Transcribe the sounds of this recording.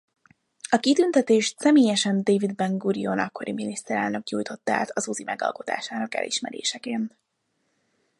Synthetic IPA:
ɒkit̪ynt̪ɛt̪eːʃt̪sɛmeːjɛʃɛnd̪eːvid̪bɛŋɡuɾijonɒkːo̞ɾiminist̪ɛɾɛ̰lnø̞kɲuːjt̪o̞t̪ːa̰ːt̪ɒzuːzimʔɛɡɒ̰lko̞t̪a̰ːʃaːnɒkɛ̰lʔḭʃmɛɾḛːʃɛkeːnt̪

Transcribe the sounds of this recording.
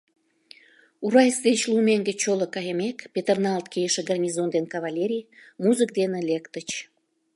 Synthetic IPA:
uɾɑjəsd̪et͡ɕlumeŋɡet͡ɕolokɑjəmekpʲet̪ernɑlt̪kejəʃĕɡɑrnʲizond̪enkɑβɑlʲeɾʲijmuzɨk̚d̪enĕlekt̪ət͡ɕ

